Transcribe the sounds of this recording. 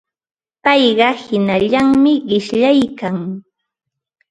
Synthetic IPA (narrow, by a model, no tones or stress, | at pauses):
pɑjɢɑhɪnaʎaŋmɪɢɪʃʎajkaŋ